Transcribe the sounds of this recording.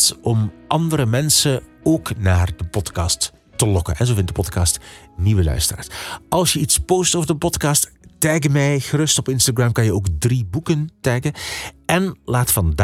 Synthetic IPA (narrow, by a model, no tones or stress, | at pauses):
tɔmʔɑndəɾəmɛnsəoːknaːrdəpɔtkɑːstː | əlɔkə̰nɛnzoːvɪndəpɔtkɑːstniʋəlœ̰ɥstəra̰ːɹsɑlˠsjəitspoːstoːvəɹdəpɔtkɑːsttɛjkəmɛjɣəɾɵstɔpɪnstaɡɹamkɑnjəoːkdribukəntɛjkəɛnlaːtfɑnda